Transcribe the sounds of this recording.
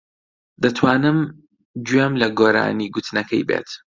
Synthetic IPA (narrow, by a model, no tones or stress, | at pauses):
d̪ɐt̪ʰwaːnɨm | d͡ʒɥɛmlɐɡoːɾa̰ːniɡʊt̪ʰnɐkʰɐjbḛːt̪